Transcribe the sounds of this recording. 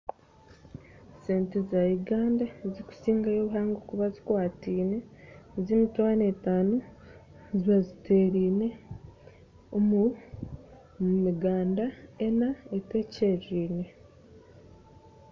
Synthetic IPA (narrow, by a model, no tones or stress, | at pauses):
se̞ːntezaiɡaːndeziku̥siːŋɡajoβuɦaːŋɡokuβazikwaːtiːne̞zimitwaːne̞taːnu | ziβazitʰe̞ːɾiːne̞ | omu | miɡaːndaenaete̞ce̞ɾiːne̞